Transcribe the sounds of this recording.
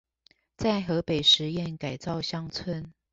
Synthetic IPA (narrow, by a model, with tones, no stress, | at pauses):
t͡sa˥˩ɪxɤ˧˥pe˨˩ɪʂɻ̩˧˥jɛ˥˩˨nka˨˩ɪt͡sɑ˥˨ʊɕjɑ˥ŋt͡sʰwə˥n